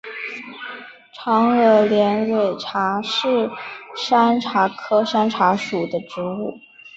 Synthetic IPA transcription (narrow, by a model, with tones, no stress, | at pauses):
ʈ͡ʂʰɑ˧˥ŋɤ˧˥ljɛ˧˥nwe˨˩ɪʈ͡ʂʰa˧˥ʂɻ̩˥˩ʂa˥nʈ͡ʂʰa˧˥kʰɤ˥ʂa˥nʈ͡ʂʰa˧˥ʂu˨˩d̪ə˦ʈ͡ʂɻ̩˧˥u˥˩